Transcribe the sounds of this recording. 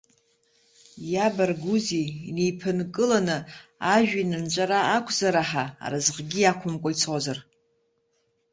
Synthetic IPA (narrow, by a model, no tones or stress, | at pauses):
jabarɡuzinejpʰɨnkʼɨlanɨaʒᶣinɨnt͡ʃʷʼaɾaːkʷʰzaɾaħa̰ːɾazʁɡʲiakʷʰʊmkʷʼait͡sʰazar